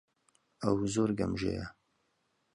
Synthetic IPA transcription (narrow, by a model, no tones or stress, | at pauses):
ɐwzoːɾɡɐmʒḛjɐ